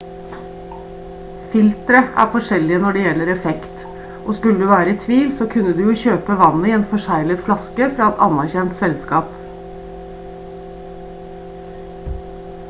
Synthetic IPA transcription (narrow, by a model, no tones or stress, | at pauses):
fɪlt̪ɾəʔæ̰ːɾfɔʂɛlɪənɔɖɛːjɛlːəɾɛfɛkt̪ | ʔoːskʉləd̪ʉːʋæːɾəit̪ʰʋiːlsoːkʰʉnːəd̪ʉːjuːçøːpəʋɑnəiːeːnfɔʂæɪlət̪flɑskəfɾɑːɛt̪ɑnæɾçɛnt̪sɛlskɑːp